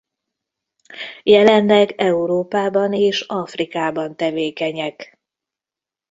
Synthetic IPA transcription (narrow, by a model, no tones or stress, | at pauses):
jɛlɛnlɛɡɛuɾoːpaːbɒneːʃɒfrikaːbɒnt̪ɛveːkɛɲɛk